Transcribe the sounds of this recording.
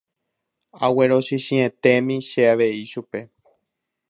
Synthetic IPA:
awe̞ɾo̞ʃiʃĩẽt̪e̞mĩʃe̞aʋe̞iʃupe̞

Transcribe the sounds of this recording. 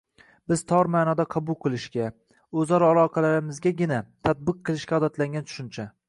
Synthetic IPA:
b̥ɪz̥t̪ʰɒɾmaːnɒd̪aqʰɑbʊlˠqʰɨlˠɪʃkʲa | ɵzɒɾalˠɒqʰɑlaɾɪmɪzɡʲaɡʲɪnat̪ʰad̪̚bɨq̚ʰːɨlˠɪʃkʲaɒd̪at̪laŋɡʲant̪ʰʊ̥ʃʊnt͡ʃʰa

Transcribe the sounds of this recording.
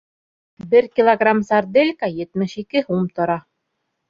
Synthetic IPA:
bɘɾkʲilˠoɡramsard̪elʲkajɘ̆t̪mɘʃikɘhumt̪ŏɾɑ

